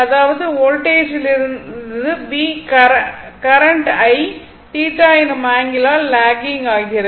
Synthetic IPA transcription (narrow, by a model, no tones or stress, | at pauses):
ɐðaːʋɐðɯoːlʈeːʃɪlɪɾɯðɯbiːkɐkɐɾɐɳʈɐɪ | ʈiːʈaːjnɐmaːŋɡɪlaːlaːɡɪŋɡaːɣɪɾɐ